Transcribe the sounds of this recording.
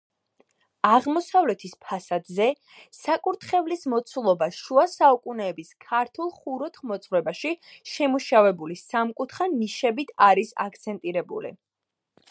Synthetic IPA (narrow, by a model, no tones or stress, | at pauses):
aʁmɔsavlɛt̪ʰispʰasad̪zɛ | sakʼuɾt̪ʰχɛvlismɔt̪sʰulˠɔbaʃuasaukʼunɛːbiskʰaɾt̪ʰulˠχuɾɔt̪ʰχmɔt̪sʼɾɛbaʃiʃɛmuʃavɛbulisamkʼut̪ʰχaniʃɛbit̪ʰaɾisa̰kʰt̪sʰɛnt̪ʼiɾɛbṵlḭ